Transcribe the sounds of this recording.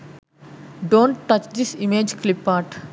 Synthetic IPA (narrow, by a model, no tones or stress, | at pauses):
ɖõːɳʈʈʌt͡ʃd̪isimeːd͡ʒklɪpːaːʈ